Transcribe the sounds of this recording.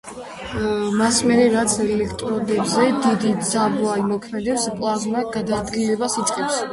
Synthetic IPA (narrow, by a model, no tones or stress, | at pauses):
masmɛɾɛɾat̪sʰɛlɛkʰt̪ʼɾɔd̪ɛbzɛd̪id̪id̪z̥abɔaimɔkʰmɛd̪ɛpspʼlˠazmaɡad̪ad̪ɡilɛbasit̪ʼqʼɛps